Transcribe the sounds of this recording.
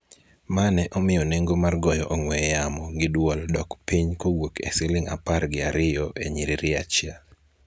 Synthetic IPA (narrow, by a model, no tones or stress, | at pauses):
manɛʔɔmɪjɔneŋɡomarɡɔjɔʔɔŋwɛjamɔɡɪdwɔldɔkpiɲkowokḛsɪlɪŋa̰parɡɪaɾɪjɔʔeɲiɾiɾɪat͡ʃja